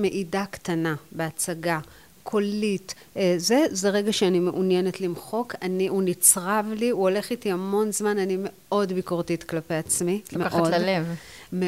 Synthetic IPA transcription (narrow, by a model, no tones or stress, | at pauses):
me̞ʔidaktanabe̞at͡saɡa | kʰo̞lit | ze̞zeʁe̞ɡaʃeanime̞ʔunjene̞t̪limχo̞kaniunit͡sʁavliuo̞le̞χitiamo̞nzmananime̞ | o̞dbikoʁtitklape̞jat͡smimeʔodlalevme